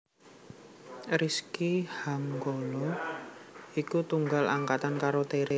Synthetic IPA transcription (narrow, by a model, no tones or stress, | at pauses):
ɾiskihaŋɡolɔ | ikut̪uŋɡalaŋkat̪ankaɾot̪eɾe